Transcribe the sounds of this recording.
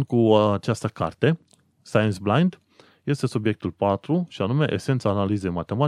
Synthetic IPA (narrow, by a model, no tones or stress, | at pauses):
nd̪̚kuat͡ʃast̪əka̰rt̪e̞ | sajent̪sblajnd̪ | je̞st̪e̞subje̞k̚t̪ulpat̪ɾuʃianume̞ʔḛse̞nt̪saːnalize̞jmat̪e̞ma